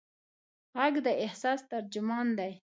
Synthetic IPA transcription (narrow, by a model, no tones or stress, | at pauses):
ɣaɡd̪əɪhsɑst̪aɾd͡ʒʊmɑnd̪aj